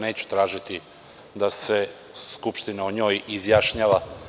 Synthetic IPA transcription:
neːt͡ɕu̥t̪ɾaːʒit̪i | d̪ase̞ | skupʃt̪inaoɲo̞ːjizjaʃɲaːʋa

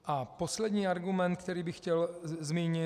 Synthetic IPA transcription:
ʔaposlɛd̪ɲiːaɾɡumɛnt̪̚k̚t̪ɛɾiːbɪxcɛlzmiːɲɪ

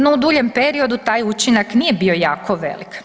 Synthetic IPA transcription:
noud̪uːʎempeɾio̞d̪ut̪aːjut͡ʃinaknijebio̞jaːkʰoʋḛlik

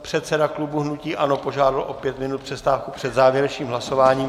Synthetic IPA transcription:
pr̝̥ɛt̪sɛdaklubuɦnuciːʔano̞po̞ʒaːdalʔo̞pjɛt̪mɪnut̪pr̥ɛst̪aːfkupr̥ɛd̪zaːvjɛɾɛʃiːmɦlaso̞vaːɲiːm

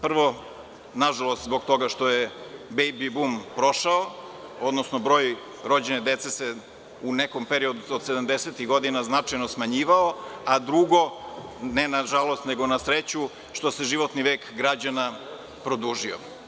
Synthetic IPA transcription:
pr̩ʋo̞ | naʒalˠost̪zbo̞ɡ̚t̪o̞ɡaʃt̪o̞jebejbibumpɾo̞ʃao | od̪nosnobɾo̞ːj | ɾo̞d͡ʑened̪et̪sese | uneko̞mpeɾio̞d̪uod̪sed̪amd̪eset̪iɣɡo̞d̪inaznat͡ʂajnosmaɲiːʋaoad̪ɾuɡo̞nenaʒalo̞st̪neɡo̞nasɾet͡ɕu | ʃt̪o̞se̞ʒiʋo̞t̪niʋeːkɡɾad͡ʑana | pɾo̞d̪uːʒio̰

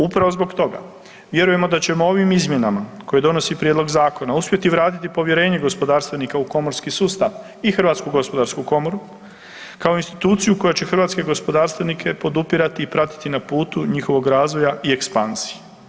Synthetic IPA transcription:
upɾaʋo̞zbo̞ɡt̪o̞ɡa̰ | ʋje̞ɾuje̞mo̞d̪at͡ɕe̞moo̞ʋimizmje̞namako̞jed̪o̞no̞sipɾjed̪lo̞ɡzaːko̞nauspje̞t̪iʋɾaːt̪it̪ipo̞ʋje̞ɾe̞ːɲeɡo̞spo̞d̪aːɾst̪ʋenikauko̞mo̞ɾskisuːst̪aʋ | ixr̩ʋaːt̪skuɡo̞spo̞d̪aɾskuko̞mo̞ɾu | kaoinst̪i̥t̪uːt̪sijuko̞jat͡ɕe̞xr̩ʋaːt̪ske̞ɡo̞spod̪aːɾst̪ʋenikʰe̞po̞d̪upiɾat̪iːpɾat̪i̥t̪inapuːt̪uɲixo̞ʋo̞ɡɾaːzʋo̞jaʔie̞kspanz̥ije

